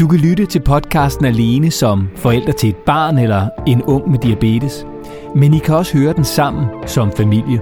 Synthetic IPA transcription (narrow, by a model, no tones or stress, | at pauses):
d̥ukʰælyɾət͡sʰe̝lpʰɒ̽d̥kʰɑ̈ːsd̥n̩æle̝ːnəsɒ̽mfɒ̽el̰d̥ʁɐt͡sʰe̝le̝d̥̚b̥ɑ̈ːnelɐe̝nɔ̽ŋ̰med̥iæb̥e̝̰ːd̥əs | menikʰæɒ̽sə̥høːɐd̥ensɑ̈m̰n̩sɒ̽mfæmil̰jə